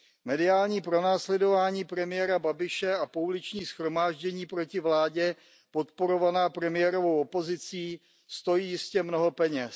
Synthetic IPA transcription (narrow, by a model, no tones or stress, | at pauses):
mɛdɪaːlɲiːpɾo̞naːslɛdo̞vaːɲiːpɾɛmɪjɛɾababɪʃɛapoulɪt͡ʃɲiːsxɾo̞maːʒɟɛɲiːpɾo̞cɪvlaːɟɛ | po̞t̪po̞ɾo̞vanaːpɾɛmɪjɛɾo̞vowopo̞zɪt͡siː | st̪o̞jiːjɪscɛmno̞ɦo̞pɛɲɛs